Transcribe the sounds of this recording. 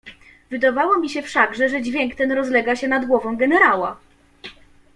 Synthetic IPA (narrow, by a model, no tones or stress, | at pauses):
vɘd̪avawɔmʲiɕɛfʂaɡʐɛʐɛd͡ʑvʲjɛŋkt̪ɛnɾɔzlɛɡaɕɛnad̪ɡwɔvɔ̃w̃ɡɛnɛɾawa